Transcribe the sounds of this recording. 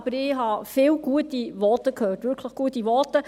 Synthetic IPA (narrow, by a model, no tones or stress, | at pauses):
b̥əɾɪɦɑfɪːwɡ̥uətiʋɔtəkʰøːtʋʏɾkʰləχɡ̥uətiʋɔtə